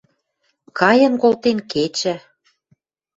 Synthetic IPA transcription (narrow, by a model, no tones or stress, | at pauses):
kɑjə̆nkolt̪enket͡ɕæ̆